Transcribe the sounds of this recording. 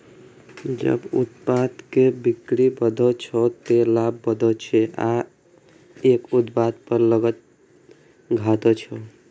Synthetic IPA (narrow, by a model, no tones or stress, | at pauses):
d͡ʒə̰but̪pad̪kebikɾibəd̪ʱət͡ʃʰɔt̪elabːəd̪ʱət͡ʃʰɛʔa | ekut̪̚pad̪̚pəɾləɡət̪̚ | ɡʱat̪ɔt͡ʃʰɔ